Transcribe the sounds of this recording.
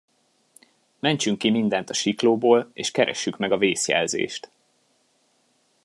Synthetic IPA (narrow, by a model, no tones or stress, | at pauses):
mɛɲt͡ʃyŋkːimind̪ɛnt̪ɒʃikloːboːleːʃkɛɾɛ̰ʃːykmɛɡɒveːsjɛ̰lzḛːʃt̪